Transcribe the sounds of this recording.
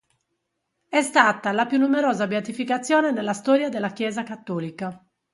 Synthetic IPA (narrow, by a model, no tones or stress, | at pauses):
ɛst̪aːt̪alapjunːumeɾɔːzabeat̪ifikat̪sːjɔːnenelːast̪ɔːɾjad̪elːakjɛːzakat̪ːɔːlika